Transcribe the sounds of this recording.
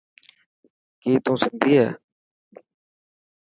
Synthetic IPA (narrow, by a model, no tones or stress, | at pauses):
kiːt̪ũːsɪnd̪ʱiːɦɛː